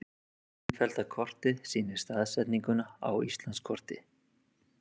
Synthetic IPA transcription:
fɛlt̪akʰɔr̥t̪ɪðsiːnɪɾ̥st̪aːðsɛt̪niŋkʏnaa̰wist̪lanskʰɔr̥t̪ɪ

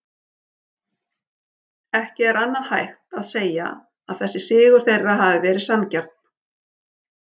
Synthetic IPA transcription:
ɛhcɪɛɾanːaðhajxt̪aðseːja̰ | aðθɛsːɪsɪːɣʏɾ̥θejɾvaɦaːvɪvɛːɾɪðsamcar̥t̪

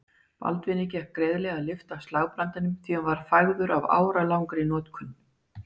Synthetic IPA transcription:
pa̰lt̪vɪnːɪcɛhpkːɾɛːðlɛɣalɪft̪awst̪laːɣpɾant̪anʏmθianvaɾ̥fajɣðʏɾava̰ːwɾalawŋkɾɪnɔːt̪kʰʏn

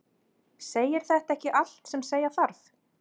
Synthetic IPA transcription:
seːjɪɾ̥θɛht̪aɛhcɪʔal̥t̪sɛmseːjaθaɾθ

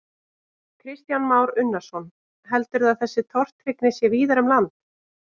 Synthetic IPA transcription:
kʰɾɪst̪janmaːwɾʏnːḁsɔn | ɦɛlt̪ʏɾðaðθɛsːɪt̪ʰɔr̥t̪ɾɪknɪsjɛviːðaɾʏmlant̪

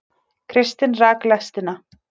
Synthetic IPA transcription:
kʰɾɪst̪ɪnraːklɛst̪ɪna

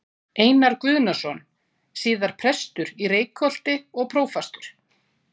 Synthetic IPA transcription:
eːjnaɾ̥kvʏːðnasɔn | siːðaɾ̥pʰɾɛst̪ʏɾireːjkʰɔl̥t̪ɪɔɣpʰɾoːwfast̪ʏɾ̥

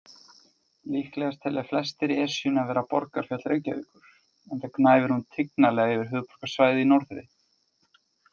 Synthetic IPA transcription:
liːhklɛɣast̪ʰɛlɛ̥flɛst̪ɪɾɛsjʏnavɛːɾapɔ̰ɾkaɾ̥fjat̪lɾecavḭːkʏɾ̥ | ɛnt̪aknaːjvɪɾhunt̪ʰɪknalɛɣaɛvɪɾ̥ɦʏːðpɔ̥ɾ̥kḁsvaːjðɪinɔwɾθɾɪ̰

